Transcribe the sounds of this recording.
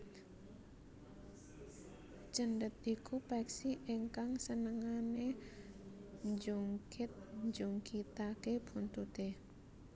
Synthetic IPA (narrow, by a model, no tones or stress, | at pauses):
t͡ʃəndət̪̚ikʰupɛksiʔeŋkaŋsənəŋane | ɲd͡ʒuŋkʰɪt̪̚ɲd͡ʒuŋkit̪akepʰunt̪ut̪e